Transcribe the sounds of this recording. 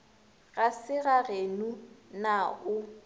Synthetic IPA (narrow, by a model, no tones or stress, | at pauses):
ɣasɪɣaɣenunaʊ